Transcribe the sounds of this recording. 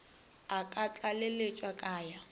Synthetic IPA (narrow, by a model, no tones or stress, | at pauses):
akʼat͡ɬʼalelet͡ʃʼwakʼaːja